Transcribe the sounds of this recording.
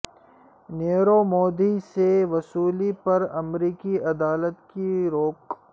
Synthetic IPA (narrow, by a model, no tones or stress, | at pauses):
neːɾomɔːd̪iseʋɐsuːlipɐɾɐmɾiːkiɐd̪aːlət̪kiɾoːk